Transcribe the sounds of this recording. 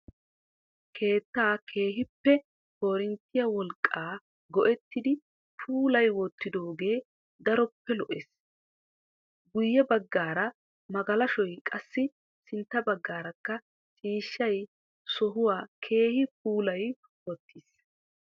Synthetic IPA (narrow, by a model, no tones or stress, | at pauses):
kʰe̞ːt̪ːaːkʰe̞ːɦɪpːɛ | ho̞ːɾɪnt̪ːɪjɐwɔlkʼːaː | ɡɔʔɛt̪ːɪd̪ɪ | pʰuːlɐjwɔt̪ːɪd̪o̞ːɡe̞ː | d̪ɐɾɔpːɛlɔʔeːs | ɡʊjːɛbɐɡːaːɾɐ | mɐɡɐlɐʃɔjkʼɐsːɪ | sɪnt̪ːɐbɐɡːaːɾɐkːɐ | t͡ʃʼiːʃːɐj | sɔɦʊwaːkʰe̞ːhɪpuːlɐj | wɔt̪ːiːs